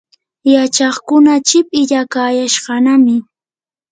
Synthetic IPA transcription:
jat͡ʃɑχkʊnat͡ʃɪpɪʎakaːjaʃɢɑnamɪ

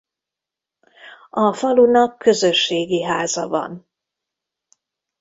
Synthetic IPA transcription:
ɒfɒlunɒkːø̞zø̞ʃːeːɡiɦaːzɒvɒ̰n

